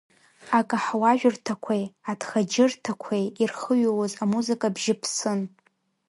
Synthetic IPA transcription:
akʼaħwaʒᶣʊrtʰakʷʰejadχad͡ʒɪrtʰakʷʰejirχəɥowozamuzɨkʼabʒɪpʰsɨn

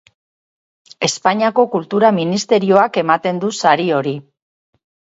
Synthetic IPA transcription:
e̞spaɲiako̞kult̪uɾaminist̪e̞ɾio̞ake̞mat̪e̞nd̪usaɾio̞ɾi

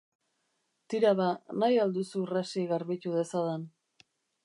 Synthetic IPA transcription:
t̪iɾaβanajald̪usurasiɣaɾβit̪uðe̞saðan

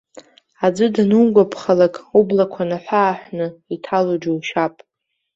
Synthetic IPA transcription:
ad͡zɨdnuŋɡʷapʰχalakʼublakʷʰanaħʷaːħʷnɨitʰalod͡ʒowʃapʼ

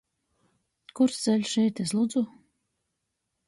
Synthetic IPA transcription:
kuɾsd̪zɛlʲsʃɛjt̪eslˠud̪zu

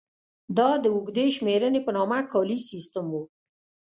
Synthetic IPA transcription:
d̪ɑd̪əuɡd̪eʃmeɾənepənɑmakɑlisist̪əmwu

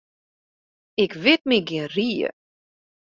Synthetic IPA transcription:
ɪkʋɪt̚miɡɪənriːə̰

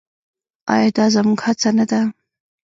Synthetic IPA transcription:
ɑ̰jɑd̪ɑzamuɡhat͡sanad̪a

